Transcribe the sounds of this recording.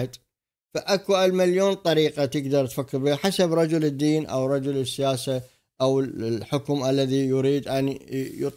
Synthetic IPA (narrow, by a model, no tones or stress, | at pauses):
d̪ | faʔakuʔalmaljoːnt̪ˤɑɾiːqat̪əɡd̪ɑɾˤt̪fakːɪɾbiːħasabɾˤɑd͡ʒʊlɪd̪ːiːnʔa̰wɾˤɑd͡ʒʊlɪsːɪjaːsa | ʔawlħʊkmʔalːaðijʊɾiːd̪ʔanijt̪ˤ